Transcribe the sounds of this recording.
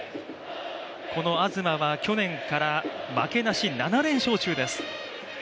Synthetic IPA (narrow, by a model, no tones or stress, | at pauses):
kʰo̞no̞azɨmaβakʲo̞nẽ̞ŋkaɾamake̞naɕinanaɾẽ̞ɰ̃ɕo̞ːt͡ɕɨːd̪e̞sɨ̥